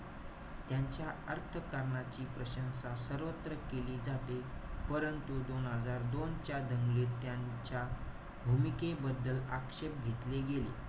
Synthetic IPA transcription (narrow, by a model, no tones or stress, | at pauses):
t̪jaɲt͡ɕjaəɾt̪ʰəkaɾɳat͡ɕiːpɾəɕənsasəɾʋət̪ɾəkeliːd͡zat̪epəɾənt̪ud̪onɦəd͡zaɾd̪ont͡ɕjad̪ʱəŋɡliːt̪ːjaɲt͡ɕja | bʱumikebəd̪ːəla̰kʂep̚ɡʱet̪leɡelḛ